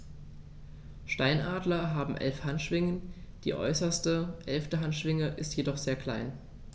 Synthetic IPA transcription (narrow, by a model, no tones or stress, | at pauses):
ʃtaɪnʔaːdlɐɦaːbm̩ʔɛ̰lfhantʃv̥ɪŋənd̥ḭːʔɔ̰ʏsɐstəʔɛlftəɦantʃv̥ɪŋəʔɪstjedɔχz̥eːɐkʰl̥a̰ɪn